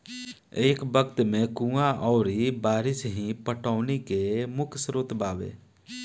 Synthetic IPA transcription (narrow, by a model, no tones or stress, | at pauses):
eːkbəkt̪mẽkũːaʔɔːɾibaːɾɪsɦĩpəʈaːnekemʊkʰsɾoːt̪baːʋḛː